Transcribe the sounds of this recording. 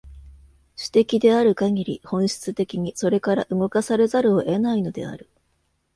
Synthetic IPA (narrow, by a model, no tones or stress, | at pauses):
ɕi̥t̪e̞kʲid̪e̞aɾɯ̟kaŋʲiɾʲḭhõ̞ɰ̃ɕi̥t͡sɨt̪e̞kʲiɲ̟iso̞ɾe̞kaɾa̰ʔɯ̟ŋo̞kasaɾe̞zaɾɯ̟oʔe̞naino̞d̪e̞̰a̰ɾɯ̟